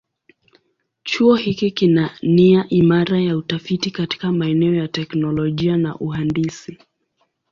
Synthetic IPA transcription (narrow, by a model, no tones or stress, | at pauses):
t͡ʃuɔhikikinaniaʔimaɾajautafitikati̥kamaɛnɛɔjatɛknɔlɔʄiana̰ʔuɦandisi